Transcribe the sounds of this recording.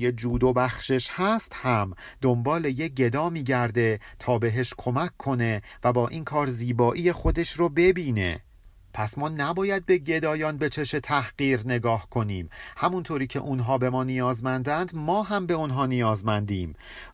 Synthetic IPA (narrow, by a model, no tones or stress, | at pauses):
jed͡ʒuːd̪obæχʃe̞ʃhæst̪hæmd̪ombɒːle̞jeɟe̞d̪ɒːmiːɟæɾd̪e̞t̪ʰɒːbe̞ɦe̞ʃkʰo̞mækʰːo̞ne̞væbɒːʔiːnkʰɒːɾziːbɒːʔiːjexo̞d̪eʃɾobe̞biːne̞̰ | pʰæsmɒːnæbɒːjæd̪̚be̞ɟe̞d̪ɒːjɒːnbe̞t͡ʃʰe̞ʃe̞t̪ʰæhɢiːɾne̞ɡɒːhkʰo̞niːmhæmunt̪ʰoːɾiːcʰeʔunɦɒːbe̞mɒːnijɒːzmænd̪ænd̪mɒːɦæmbe̞unɦɒːnijɒːzmænd̪iːm